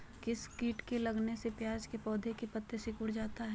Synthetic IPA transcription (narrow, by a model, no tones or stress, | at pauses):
kɪskiːʈkelɐɡnesepjaːd͡ʒkepɔːd̪ʱekepət̪ːesɪkʊɽd͡ʒaːt̪aɦɛ